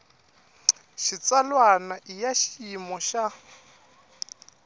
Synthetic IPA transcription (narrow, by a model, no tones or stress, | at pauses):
ʃit͡salwanaʔijaʃiiimɔʃa